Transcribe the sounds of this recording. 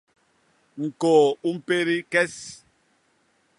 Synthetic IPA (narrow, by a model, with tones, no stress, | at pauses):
ŋ̩˨kɔː˨u˦m̩˦pe˦ɾi˦kɛ˦s